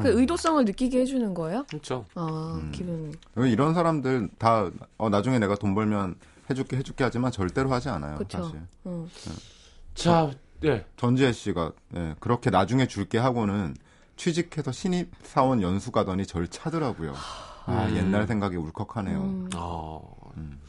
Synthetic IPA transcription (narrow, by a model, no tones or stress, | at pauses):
kɯeɯidos͈ʌŋɯɭnɯk͈iɡehed͡ʑunɯnɡʌejokɯt͡ɕʰoakibuiiɾʌnsʰaɾamdɯɭtaʌnad͡ʑuŋe̞ne̞ɡatombʌɭmjʌn | he̞d͡ʑuk͈eɦe̞d͡ʑuk͈eɦad͡ʑimant͡ɕʌɭt͈e̞ɾohad͡ʑia̰na̰jo̰kɯt͡ɕʰoɕʰiḛ | t͡ɕaje̞t͡ɕʌnd͡ʑieɕ͈iɡaje̞kɯɾʌkʰe̞nad͡ʑuŋe̞t͡ɕuɭk͈e̞ɦaɡonɯn | t͡ɕʰwid͡ʑikʰe̞sʰʌɕʰiɲip̚s͈ʰaonjʌnsʰuɡadʌɲit͡ɕʌɭt͡ɕʰadɯɾaɡujo̰aje̞nːaɭsʰe̞ŋɡaɡiuɭkʰʌkʰanɦḛjoa | ɯm